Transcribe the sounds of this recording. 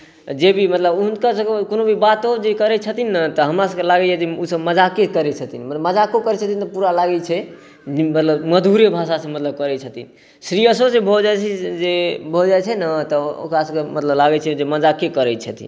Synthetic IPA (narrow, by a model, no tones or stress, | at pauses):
d͡ʒebʱimət̪ləbuɦnkasə̃kekonobʱibat̪od͡ʒekəɾɛt͡ʃʰət̪inːət̪ɔɦəmɾasə̃kelaɡɛd͡ʒɛd͡ʒeusəbməd͡ʒakekəɾɛt͡ʃʰət̪inmət̪ləbməd͡ʒakokəɾɛt͡ʃʰət̪int̪ɔpuɾalaɡɛt͡ʃʰɛ | mət̪ləbməd̪ʱuɾebʱaʃasə̃mət̪ləb̚kəɾɛt͡ʃʰət̪in | sɾijəsosẽbʱod͡ʒaɛt͡ʃʰɛd͡ʒebʱod͡ʒaɛt͡ʃʰɛnət̪ɔo̰kɾasə̃kemət̪ləblaɡɛt͡ʃʰɛd͡ʒeməd͡ʒakekəɾɛt͡ʃʰət̪ḭn